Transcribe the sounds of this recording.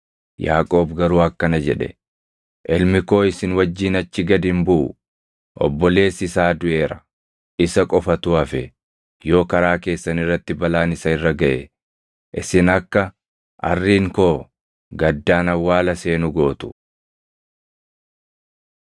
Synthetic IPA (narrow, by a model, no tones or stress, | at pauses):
jaːkʼo̞ːbɡɐɾuːɐkːɐnɐd͡ʒɛᶑɛ̰ | ʔɛlmɪko̞ːɪsɪnwɐd͡ʒːiːnɐt͡ʃːɪɡɐd̪ɪmbʊʔʊ̰ | ʔɔ̰bːɔle̞ːsɪsaːd̪ʊʔe̞ːɾɐ̥ | ɪsɐkʼɔfɐt̪ʊɐfɛ | jo̞ːkɐɾaːke̞ːsːɐnɪrːɐt̪ːɪbɐlaːnɪsɐɪrːɐɡɐʔɛ | ʔɪsɪnɐkːɐ | ʔɐ̰rːiːŋko̞ː | ɡɐd̪ːaːnɐwːaːlɐse̞ːnʊɡo̞ːt̪ʊ̥